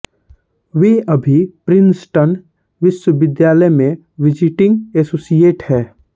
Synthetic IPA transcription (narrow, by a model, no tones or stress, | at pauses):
ʋeːɐbʱipɾɪnsʈən | ʋɪʃwəʋɪd̪jaːləjmẽ | ʋɪd͡ʒɪʈɪ̃ŋɡɛsoːsieːʈhɛː